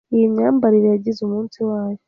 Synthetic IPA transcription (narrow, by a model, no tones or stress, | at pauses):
ijiɲaːmbaɾiɾejaɟizumuːnsiwaːjo